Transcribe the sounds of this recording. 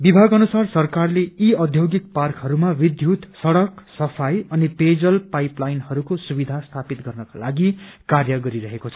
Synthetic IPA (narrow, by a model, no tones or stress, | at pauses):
bibʱaɡʌnusarsʌrkarleiʌd̪ʱjoɡik̚parkɦʌɾumawid̪ʱjut̪sʌɽʌksʌpʰajʌniped͡zʌlpajplajnhʌɾukosubid̪ʱast̪ʰapit̪ɡʌrnʌka̰laɡikarjʌɡʌɾiɾʌɦekot͡sʰʌ̥